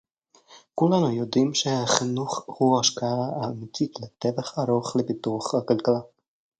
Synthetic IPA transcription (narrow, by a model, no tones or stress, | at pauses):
kulanujod̪imʃehaχinuχhuaʃkaaaːmit͡sit̪let̪evaχaɾoχlepit̪uaχhakalkala